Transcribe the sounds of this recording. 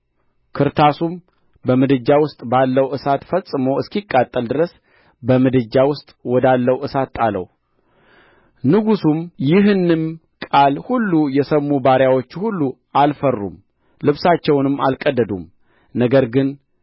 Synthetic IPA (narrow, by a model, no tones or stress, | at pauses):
kʰɨɾt̪ʰasum | bəmɨd̪ɨd͡ʒːawʊst̪ʼbalːəwʔɨsat̪fəsʼɨmowɨskikʼːat̪ʼːəld̪ɨɾəs | bəmɨd̪ɨd͡ʒːawʊst̪ʼwɔd̪alːəwʔɨsat̪ːʼalə̰w | nɨɡusumjɪɦɨnːɨm | kʼalhulːujɛsəmːubaɾjawo̞t͡ʃːhulːu | alfərːṵm | lɨβsat͡ʃːɛwnɨmːa̰lkʼəd̪ːəd̪um | nəɡəɾɡɨn